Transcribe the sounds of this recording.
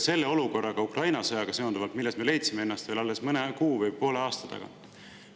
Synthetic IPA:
se̞lːe̞o̞luko̞rːɑɡ̥ɑukrʔɑjnɑsɤjɑɡ̥ɑse̞ond̪uvɑlt̪milːest̪mele̞jt̪simee̞nːɑst̪veːlɑlːe̞smɨnekuːvɯjpo̞ːle̞ɑːst̪ɑ̥t̪ɑ̰ɡ̥ɑ̰

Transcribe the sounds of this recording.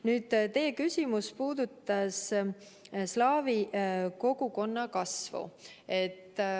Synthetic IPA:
nyːd̪̥t̪e̞jekysʲimuspuːd̪̥ut̪ːˑɑs | slɑːviko̞ɡ̥uko̞nːɑkɑsvṵe̞t̪ːˑ

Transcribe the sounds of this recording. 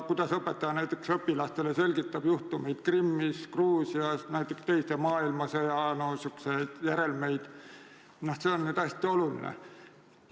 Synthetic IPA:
kujd̪̥ɑsɤpːˑet̪ːˑɑd̪ɑnæjt̪ːˑeksɤpːilɑst̪e̞le̞se̞lʲɡ̥it̪ːˑɑb̥juht̪ume̞jd̪̥krimːiskruːsiɑsnæjt̪ːˑekst̪e̞jst̪emɑːilmɑsɤjɑnosykːse̞jd̪̥jæɾe̞lme̞jd̪̥ | nɑhseonːyd̪ɑsʲt̪io̞lulḭnḛ

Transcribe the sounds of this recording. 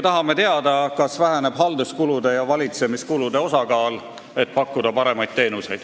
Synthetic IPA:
t̪ɑɦɑme̞t̪e̞ɑd̪ɑkɑsvæɦæne̞b̥ɦɑld̪uskulud̪̥e̞jɑvɑlʲit̪se̞miskulud̪̥e̞o̞sɑkɑːl | e̞t̪̚ːˑpɑkːˑud̪̥ɑpɑɾe̞mɑjt̪̚t̪ːe̞ːnuse̞jd̪̥

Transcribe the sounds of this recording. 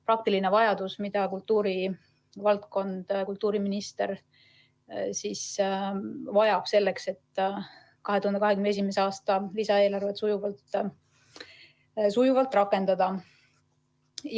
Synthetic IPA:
pɾɑk̚t̪iline̞vɑjɑd̪usmid̪̥ɑkult̪ːˑuːɾi | vɑlt̪ko̞nd̪̥kult̪ːˑuːɾiminist̪e̞ɾ | sis | vɑjɑb̥se̞lːe̞kse̞t̪ː | kɑɦe̞t̪uhɑnd̪eɑɦekynesimeseɑːst̪ɑlisɑeːlɑrvet̪sujuvɑlt̪ːˑ | sujuvɑlt̪ˑrɑkˑːe̞nd̪̥ɑd̪̥ɑ

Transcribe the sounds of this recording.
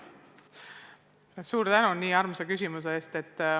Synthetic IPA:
suːɾt̪ænuniːɑrmsekysʲimuseeːst̪e̞t̪ː

